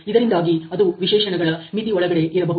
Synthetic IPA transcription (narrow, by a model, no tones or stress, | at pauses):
id̪ɐɾind̪aːɡiɐd̪uʋiʃɛːʃɐɳɐɡɐɭɐmit̪iɔɭɐɡɐɽe̞ʔiɾɐbɐɦu